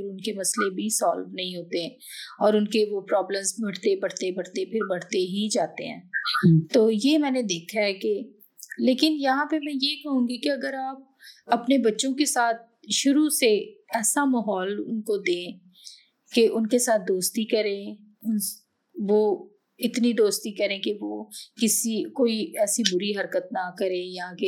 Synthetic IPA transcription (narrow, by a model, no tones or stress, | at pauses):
ɾʊnkemɐslebʱisɔːlʋnɐɦĩɦoːt̪eɦɛ̃ːɔːɾʊnkeʋopɾɔːblə̃mzbʱɐɽ̤t̪ebɐɽt̪ebɐɽt̪epʰɪɾbɐɽt̪eɦid͡ʒaːt̪eɦɛ̰̃ːt̪oːjeːmɛ̃ːned̪eːkʰaɦɛke | leːkɪnjɐɦãpemɛ̃jekɐɦũːɡikeɐɡəɾaːp̚ɐpnebɐtːʃõkesaːt̪̚ʃʊɾuseɛːsamaːɦɔːlʊ̰nkod̪ẽː | keʔʊnkesaːt̪̚ʰd̪oːst̪ikɐɾẽ | ʊ | ʋo | ɪt̪nid̪oːst̪ikɐɾẽkeʋoːkɪsikoːiɛːsibʊɾiɦɐɾkət̪̚nakɐɾẽjake